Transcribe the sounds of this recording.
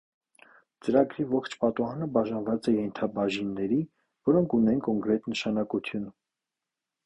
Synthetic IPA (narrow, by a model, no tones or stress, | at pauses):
t͡səɾɑɡɾivɔχt͡ʃʰpɑt̪uɦɑnəbɑʒɑnvɑt͡sɛjɛnt̪ʰɑbɑʒinːɛɾi | vɔɾɔŋkʰunɛnkɔŋkɾɛt̪nəʃɑnɑkut̪ʰjun